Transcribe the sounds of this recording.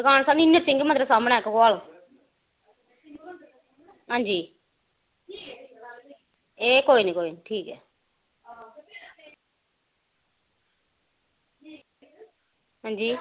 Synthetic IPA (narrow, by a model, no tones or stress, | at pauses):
ɡaːnsaːniɪnːet͡ʃɪ̃ŋɡməd̪ɾəsaːmnɛ̃ːkɡoaːl | ɦãːɲd͡ʒiː | eːkoːinĩːkoːiniʈʰiːkɛː | ɦãːɲd͡ʒiː